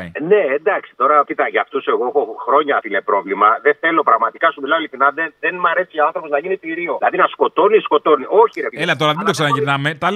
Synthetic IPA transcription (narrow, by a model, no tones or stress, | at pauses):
ine̞ːnd̪ɐksi̥t̪o̞ɾɐcit̪ɐʝɐft̪use̞ɣoxoxɾo̞ɲɐθilepɾo̞vlimɐðeθe̞lo̞pɾɐɣmɐt̪ikɐsumilɐoliθinɐðeðenmɐɾe̞siʝɐoɐnθɾopoznɐʝinit̪iɾio̞lɐðinɐsko̞t̪o̞nisko̞t̪o̞niʔo̞çiɾepelɐt̪o̞ɾɐðend̪oksɐnɐʝiɾnɐmet̪ɐl